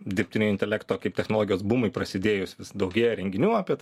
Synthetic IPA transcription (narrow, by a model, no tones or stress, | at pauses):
d̪ʲɪrpʲtʲɪnʲojɪnʲt̪ʲɛlʲæːkt̪oːkɐɪp̚t̪ʲɛxnoːlˠoːɡʲɪjoːsbuːmɐɪpɾɐsʲɪd̪ʲeːjʊsʲʋʲɪsd̪ɐʊɡʲeːjɛɾʲɛŋʲɡʲɪnʲuːaːpʲiɛt̪